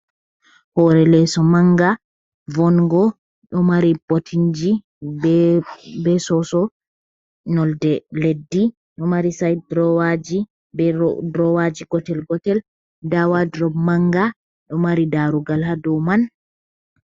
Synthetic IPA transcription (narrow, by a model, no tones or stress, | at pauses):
hɔɾɛlɛsɔmaŋɡa | vɔnɡɔ | ɗɔmaɾibotʰiɲd͡ʒi | bɛsɔsɔ | nɔldɛledːi | ɗɔmaɾisajdɾɔwad͡ʒi | bɛdɾɔwad͡ʒiɡ̥ɔtɛlɡɔtɛl | dawadɾɔmaŋɡa | ɗɔmaɾidaɾuɡalhadɔwman